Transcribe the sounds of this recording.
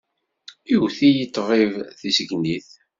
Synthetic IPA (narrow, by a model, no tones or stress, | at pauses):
iwθijit̪ːʁˤivθisəɡniθ